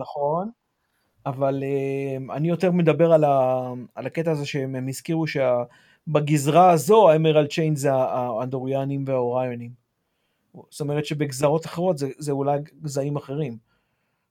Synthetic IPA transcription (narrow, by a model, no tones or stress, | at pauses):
naχo̞n | avalema̰nijo̞t̪e̞ʁme̞dabe̞ʁalaːlake̞taːzeʃeemizkiʁuʃea | baɡizʁaːzo̞aemeʁalt͡ʃejnzeaːand̪oʁijanimveaoʁajonim | st̪omeʁet̪ʃe̞beɡzaʁo̞t̪aχeʁo̞t̪zezeulajɡzaimaχe̞ʁim